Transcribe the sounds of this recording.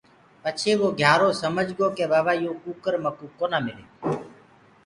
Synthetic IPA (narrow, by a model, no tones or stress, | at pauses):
pət͡ʃʰeːʋoːɡʱjaːɾoːsəməd͡ʒɡoːkeːɓaːʋaːijõːkuːkəɾməkuːkːoːnaːmɪlḛː